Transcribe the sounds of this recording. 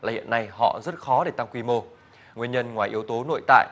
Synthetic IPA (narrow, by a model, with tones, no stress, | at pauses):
laː˨˩hḭ˧˨ənːa˧jhɔ̰˧˨zə˦˥t̚xɔ˨˦ɗe˧˩t̪a˧ŋkwi˧mo˧ | ŋwi˧ənɲə˧nŋwaː˨˩jʔi˨˦əwt̪o˨˦no̰˧˨jt̪a̰ː˧˨j